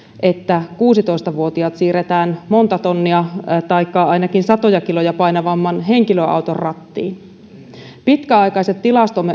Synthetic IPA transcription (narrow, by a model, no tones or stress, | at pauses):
ʔe̞t̪ːækuːsit̪o̞ist̪ɑʋuot̪iɑt̪siːret̪æːnmo̞nt̪ɑt̪onːiɑt̪ɑjkːɑɑjnɑkinsɑt̪ojɑkilo̞jɑpɑinɑʋɑmːɑnɦe̞ŋkiløʔɑ̰wt̪orrɑt̪ːḭːn | pit̪kæɑjkɑiset̪t̪ːilɑst̪omːe